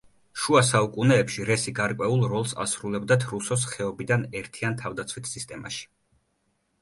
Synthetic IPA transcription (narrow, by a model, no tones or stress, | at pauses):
ʃuasaukʼunɛːpʃiɾɛsiɡaɾkʼwɛulˠɾɔlˠsa̰sɾulɛbd̪at̪ʰɾusɔs̬χɛɔbid̪anɛɾt̪ʰiant̪ʰavd̪at̪sʰwit̪ʰsist̪ʼɛma̰ʃi̥